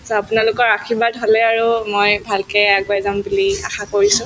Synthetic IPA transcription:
sɔapʊnalʊkɔɹakʰibadɦolɛaɹumojbʱalkɛjaɡ̚bajzambulia̰xakoɹisʊ̃

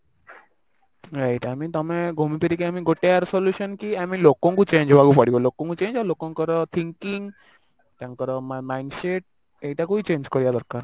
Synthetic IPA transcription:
ɾajʈamit̪ɔmeɡʱumipeɾikeamiɡoʈeaɾsɔljuʃɔnkiamilokɔŋkut͡ʃeɲd͡ʒbʱaɡupaɽibɔlokɔ̃ŋkut͡ʃẽnd͡ʒalokɔŋkɔɾɔt̪ʰiŋkiŋ | taŋkɔɾɔmmajnseʈ̚ | ejʈakuit͡ʃend͡ʒkɔɾibad̪ɔɾkaɾ

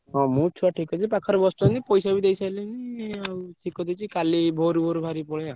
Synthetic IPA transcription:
ɦɔ̃mũt͡ʃʰuaʈʰikɔd͡ʒipakʰɔɾɔbɔst̪uanipɔjsabid̪ejsajleniawʈʰikɔd̪et͡ʃʰikalibʱoɾubʱoɾubʱaɾipɔɭja

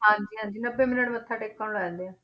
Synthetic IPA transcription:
ɦãːɲd͡ʒiːɦãːɲd͡ʒiːnəbeːmɪnəʈmət̪ʰːãːʈeːkːaːnlɛnd̪eːãː

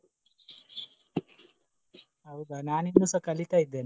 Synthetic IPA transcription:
aud̪ananinːusəkalikaid̪en

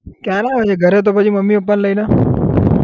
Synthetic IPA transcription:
kjaɾaɦot͡ʃʰeɡʱəɾet̪̬opət͡ʃʰiməmːiop̬ːənləinə

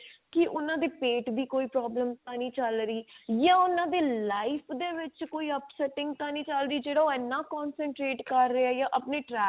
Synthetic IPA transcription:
kɪʔʊnãːd̪eːpeːʈd̪iːkoːiːpɾaːbləmt̪ãːnĩːt͡ʃəlɾiːjãːʊnãːd̪eːlaːɪpʰd̪eːʋɪt͡ʃkoːiːəpsɛːʈɪ̃ŋɡt̪ãːnĩːt͡ʃəlɾiːd͡ʒeːɽaːoːɛnːãːkɔːnsəɳʈɾeːʈkəɾːeɛːjãːʔəpneːʈɾɛː

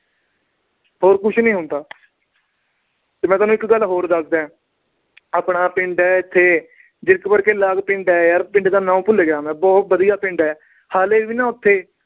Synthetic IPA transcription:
ɦoːɾkʊt͡ʃʰnĩːɦʊnd̪aː | t̪eːmɛ̃ːt̪aːnũːɪkɡəlɦoːɾd̪əsd̪ẽː | aːpɳaːpɪɳɖɛːɪt̪ʰːeː | d͡ʒɪɾkpəɾkeːlaːɡpɪ̃ɳɖɛːjaːɾpɪ̃ɳɖd̪aːnãːũːpʊleɡaːmɛ̃ːbɔːt̪̚ʋəd̪ijaːpɪ̃ɳɖɛː | haːleːʋiːnaːʊt̪ʰːeː

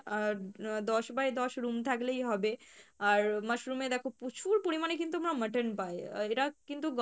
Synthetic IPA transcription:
ad̪ɔʃbaed̪ɔʃɾumt̪ʰaklejɦɔbeaɾməʃɾumed̪ɛkʰoput͡ɕʰuɾpoɾimanekint̪uamɾaməʈənpaeeʈakint̪uɡ

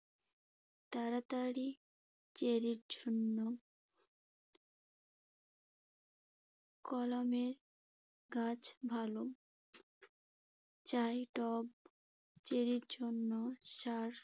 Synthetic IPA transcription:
t̪aɾat̪aɽi | t͡ɕeɾiɾd͡ʑʱonːo | kɔlameɾ | ɡat͡ɕbʱalo | t͡ɕajʈɔb | t͡ɕeɾiɾd͡ʑonːoʃaɾ

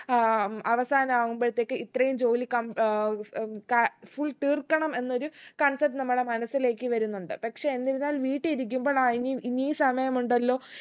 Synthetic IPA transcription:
ɐʋɐsaːnɐmaːɣumboɻit̪ːe̞ːkːɨit̪rɐjumd͡ʑo̞ːlikɐm | kɐfuɭt̪iːrkːɐɳɐme̞nːo̞ɾukɐɳsɐp̚ʈnɐmːɐɽe̞mɐnɐsile̞ːkʲːɨʋɐɾunːuɳɖɨpɐkʂe̞enːiɾunːaːlʋiːʈːɨiɾik̬ʲːumbo̞ːɭainiiniːsɐmɐjɐmuɳɖɐlːo̞ː

